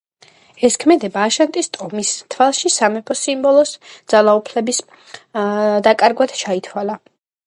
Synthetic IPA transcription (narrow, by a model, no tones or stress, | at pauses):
ɛskʰmɛd̪ɛbaːʃant̪ʼist̪ʼɔmist̪ʰwalˠʃisamɛpʰɔsimbɔlˠɔsd̪z̥alˠaupʰlɛbis | d̪akʼaɾɡwad̪̥t͡ʃʰait̪ʰwalˠa